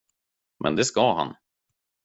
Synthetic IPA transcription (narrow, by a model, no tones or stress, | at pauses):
mʔɛ̰nd̪ɛskaɦa̰n